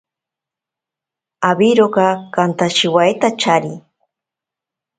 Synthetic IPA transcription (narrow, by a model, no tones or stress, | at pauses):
abiɾokɑkant̪aʃɪwajt̪at͡ʃaɾi